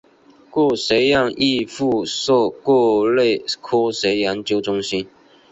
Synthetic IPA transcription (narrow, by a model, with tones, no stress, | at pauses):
kwɔ˥˩se˨˧˥ɪjɑ˥˧ŋʔi˥˧fu˥˧sɔ˥˧kwɔ˥˧le˥˩ɪkʰɔ˥se˧˥ɪja˧˥nt͡ɕjo˥ʊʈ͡ʂʊ˥ŋɕi˦n